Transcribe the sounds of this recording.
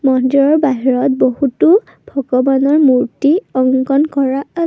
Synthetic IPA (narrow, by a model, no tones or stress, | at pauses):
mɔndɹɔɹbaɦiɹɔt̚boɦutu | bʱɔɡɔbanɔɹmuɹtiɔŋɡɔnkɔɹaa